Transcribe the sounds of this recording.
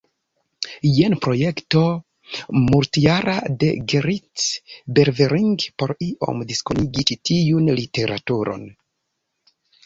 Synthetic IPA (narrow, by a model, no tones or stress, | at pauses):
jenpɾo̞je̞kto | muɾtiaɾade̞̰ɡeɾitbeɾveɾiŋɡpo̞ɾiʔo̞̰mdiskoniɡit͡ʃitiunlite̞ɾʔatuɾo̞̰n